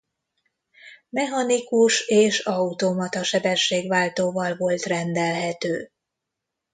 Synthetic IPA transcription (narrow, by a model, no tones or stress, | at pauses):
mɛɦɒnikuʃeːʃɒut̪omɒt̪ɒʃɛbɛʃːeːɡʋaːlt̪oːvɒlvo̞lt̪rɛnd̪ɛlɦɛt̪øː